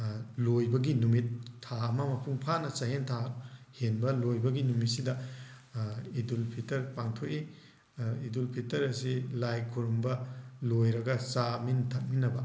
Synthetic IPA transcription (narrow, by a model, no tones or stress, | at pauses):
lojbɐɡinumitʰːaɐmɐmɐpʰuŋpʰanɐsɐɦentʰahenbɐlojbɐɡinumit̚sidɐ | idulpʰitɐɾpaŋtʰoki | idulpʰitɐɾɐsilajkʰuɾumbɐlojɾɐɡɐsamintʰɐt̚minɐbɐ